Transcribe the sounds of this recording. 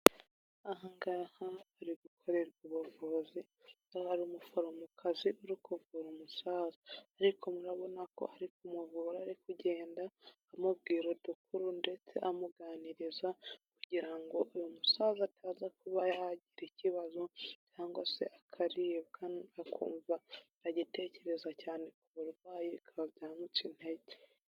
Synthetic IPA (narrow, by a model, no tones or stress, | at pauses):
aɦaŋɡahaːɾidukʰo̞ɾe̞ɾɡuβovozi | haɾiumufoɾomukʰaziuɾikuvɡuɾumusaːzaːɾikomuɾaβo̞nako̞̰haɾikumuvuːɾaːɾikuɟe̞ːndaː | mub̚ɡiːɾo̞duk̚uɾunde̞t͡se̞̰ʔamuɡaːniɾizakuɟiɾaŋɡo̞ʔujumusaːzatʰaːzakuβajaaɟiɾiciβazo̞caːŋɡwase̞̰ʔakʰaɾiβɡanakʰṵːɱva | aɟite̞ːce̞ɾe̞zacaːne̞kuβuɾwaːjikʰaβabɟaːmucin̥he̞ɟe